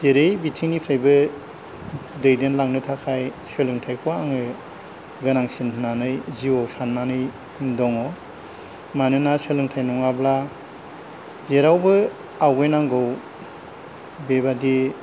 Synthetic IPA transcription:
zeɾejbitʰiŋnipʰɾajbɯ | dɯjdenlaŋnɯtʰakʰajselɯŋtʰajkʰɔwaŋɯ | ɡɯnaŋsinʰnanɯjziwɔwsʰanːanɯj | ndɔŋɔ | manɯnaselɯŋtʰajnɔŋabla | zeɾawbɯ | awɡɯjnaŋɡɔw | bebadi

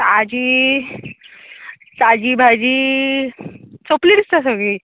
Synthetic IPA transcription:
sad͡ʑi | sad͡ʑibʱad͡ʑi | t͡sopliɾist̪as̬əɡɭi

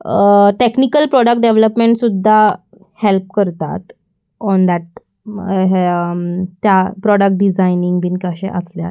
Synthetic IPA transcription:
ʈeknikəlpɾɔɽək̚ʈ̚ɖeʋləpmeɳʈsud̪ʱːa | help̚kəɾt̪a̰t̪ | ɔnd̪æʈ̚ | ɦ | t̪ːjapɾɔɽək̚ʈ̚ɖid͡zajniŋɡbinkaɕḛ̃ʔəslja̰

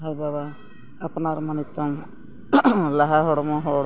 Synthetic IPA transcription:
ɦaɾbaβaː | pnaɾmanit̪ɔm | laɦaɦɔɽɔmɔɦɔɽ

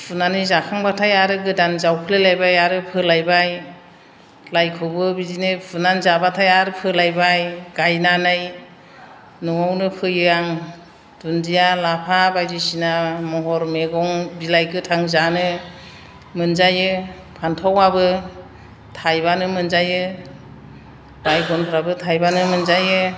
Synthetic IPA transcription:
pʰɯnanizakʰaŋbatʰajaɾɯɡɯdanzawkʰɯlelajbajaɾɯpʰɯlajbaj | lajkʰɯwbɯbidinɯpʰɯnanzabatʰajaɾɯpʰɯlajbajɡ̥ajnanaj | nɔŋawnɯpʰɯjɯaŋ | d̥undijalapʰabajzisinamɔɦɔɾmeɡɔŋbilajkʰɯtʰaŋzanɯ | mɯnzajɯ | pʰantʰɔwabɯ | tʰajbanɯmɯnzajɯ | bajɡɔnpʰɯɾabɯtʰajbanɯmɯnzajɯ

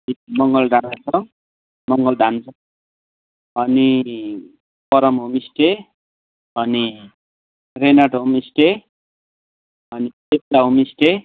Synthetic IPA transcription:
imʌŋɡʌlɖʱanat͡sʰʌ | mʌŋɡʌlɖʱant͡sʰʌ | ʌni | pʌɾʌmɦumisʈe | ʌni | renʌʈɦumisʈe | ʌnitet̚laɦumisʈe

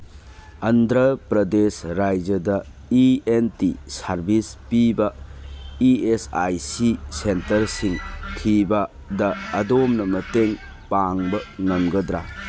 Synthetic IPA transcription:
ɐndɾɐpɾɐdesɾajd͡ʒɐdɐ | ientisɐɾbispibɐ | iesajsisentɐɾsiŋkʰibɐ | dɐːdomnɐmɐteŋ | paŋbɐŋɐmɡɐdɾa

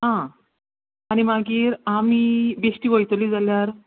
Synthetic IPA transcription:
ɦã | añimaɡiːɾamiːbeʂʈiːʋojt̪oliːd͡zaljaɾ

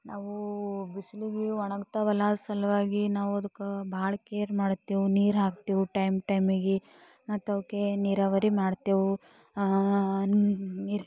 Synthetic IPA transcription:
naːʋubisliɡeɔɳɐɡt̪ɐʋɐlaːd̪sɐlɐʋaːɡinaːʋuɐd̪ukːbʱaːɭɐkeːɾmaːɽt̪iːʋuniːɾɦaːkt̪iːʋuʈɐjmʈɐjmiɡe | naːt̪ɐʋkeniɾaʋɐɾimaːɽt̪iːʋu | niɾ

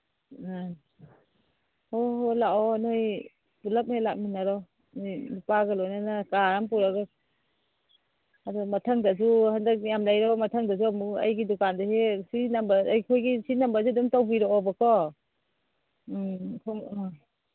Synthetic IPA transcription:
ɔlaɔnoj | pulap̚helak̚minaɾɔ | nɔjmipaɡalɔjnanakaɾampuɾaɡa | adɔmatʰaŋdazuhandak̚jamlajɾɔmatʰaŋdazuamua̰jɡidɔkandahesinambaajkʰojɡisinambazudumtawbiɾɔɔbakʰɔ | kʰɔŋ

